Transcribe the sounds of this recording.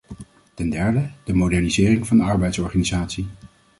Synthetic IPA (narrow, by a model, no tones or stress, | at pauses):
tɛndɛɹdəd̥əmowdɛɹnizɪːrɪŋvɑndəɑɹbɛjtsɔɹχaːnizaːtsi